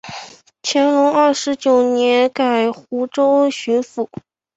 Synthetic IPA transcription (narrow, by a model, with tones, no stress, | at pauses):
t͡ɕʰjɛ˧˥nlʊ˧˥ŋɐ˥˩ʂɻ̩˧˥t͡ɕjo˨˩ʊnjɛ˧˥nka˨˩ɪxu˧˥ʈ͡ʂo˥ʊɕy˧˥nfu˨˩˦